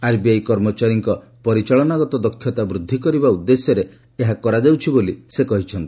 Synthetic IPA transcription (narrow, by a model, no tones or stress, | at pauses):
aɾbiajkɔɾmɔt͡ʃaɾiŋkɔ | pɔɾit͡ʃaɭɔnaɡɔt̪ɔd̪ɔkʰːjɔt̪abɾud̪ʱːikɔɾibaud̪ːesjɔɾe | eɦakɔɾad͡ʒawt͡ʃʰibolisekɔɦit͡ʃʰɔnt̪i̥